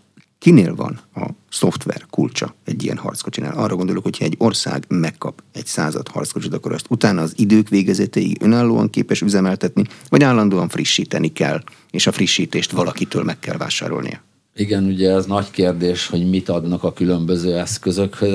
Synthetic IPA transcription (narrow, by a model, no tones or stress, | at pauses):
kineːlvɒ̰nɒso̞ft̪ʋɛ̰rkult͡ʃɒɛɟːijɛ̰nhɒ̰rt̪sko̞t͡ʃina̰ːlɒrːɒɡo̞nd̪o̞lokhochɒɛɟːo̞rsa̰ːɡmɛkːɒpɛɟsaːzɒ̰t̪hɒ̰rt̪sko̞t͡ʃid̪ɒkoɾɒst̪ut̪aːnɒːzid̪øːkʋeːɡɛzɛt̪ɛḭʔø̞naːlːoːɒ̰ŋkeːpɛʃyzɛmɛlt̪ɛt̪nivɒɟaːlːɒnd̪oːɒɱfriʃːiːt̪ɛnikɛlː | eːʃɒfriʃːiːt̪eːʃt̪ʋɒlɒkit̪øːlmɛkːɛlva̰ːʃa̰ːɾo̞̰lnḭjɒ | iɡɛnuɟɛɛznɒɟkeːrd̪eːʃho̞ɟmit̪ɒd̪nɒkɒkylømbøzøːɛskøzøkhøz